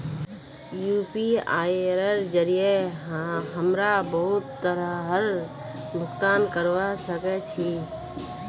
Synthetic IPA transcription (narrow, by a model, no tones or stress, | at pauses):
jupiajɾəɾd͡ʒəɾijeɦɦəmɾabəɦut̪ːəɾəɦəɾbʱʊkt̪ankəɾʋasəkɛt͡ʃʰi